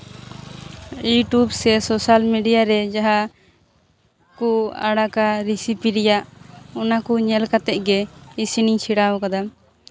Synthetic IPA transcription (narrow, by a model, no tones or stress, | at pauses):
juʈubsɛsɔsalmiɖijaɾɛd͡ʒaɦa | kua̰ɽakaɾisipiɾɛjaʔɔnakuɲɛlkat̪ɛʔ̚ˀɡɛisiniŋt͡ʃʰiɽawɔkad̪a